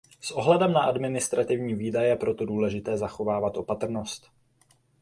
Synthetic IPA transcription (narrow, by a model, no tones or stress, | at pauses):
sʔo̞ɦlɛdɛmnaʔadmɪnɪst̪ɾat̪ɪvɲiːviːdajjɛpɾo̞t̪o̞duːlɛʒɪt̪ɛːzaxo̞vaːvat̪ʔo̞pat̪r̩nost̪